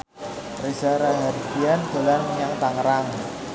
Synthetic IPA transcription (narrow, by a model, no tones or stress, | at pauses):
resaɾaɦaɾiɡiand̥o̤lanjaŋt̪aŋəɾaŋ